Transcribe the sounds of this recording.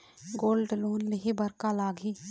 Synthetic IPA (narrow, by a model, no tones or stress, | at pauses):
ɡoːlɖloːnlɪɦebəɾkaːlaːɡʱiː